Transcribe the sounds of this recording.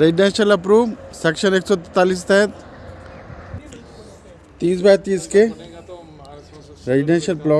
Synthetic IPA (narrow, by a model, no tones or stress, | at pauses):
ɾezɖnẽnʃɐlɐpɾuːʋsɛkʃəneːksɔːt̪̬ɛt̪aːliːs̬t̪ɛɛt̪ | t̪iːsbat̪iːske | ɾeziɖẽːnʃɐlplɔː